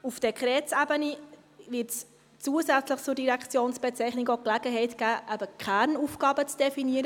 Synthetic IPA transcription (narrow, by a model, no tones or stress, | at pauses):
ufd̥ɛkχʁɛːt͡sæbəni | vɪɾts | t͡suəsæt͡sləχt͡sʊɾdiɾækt͡sjoːnsb̥ɛt͡sɛɪχnɪkoklæɡ̥əɦɛɪtɡ̥æːʔæbəkʰχæɾnuːfɡ̥ɑːbət͡sd̥ɛfiniəɾə